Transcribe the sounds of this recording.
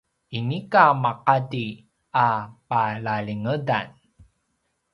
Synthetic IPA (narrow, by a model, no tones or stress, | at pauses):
inikamaqadi | apalaɭiŋəda̰n